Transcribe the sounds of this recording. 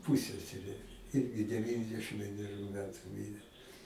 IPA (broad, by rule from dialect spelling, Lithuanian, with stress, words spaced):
ˈpuːsʲɛsʲɛrʲeː ˈɪrʲɡʲɪ dʲɛˈʋʲiːnʲdʲɛʃʲɪm ʋʲiɛnʲɛˈrʲuː ˈmʲæːtʊ ˈmʲiːrʲeː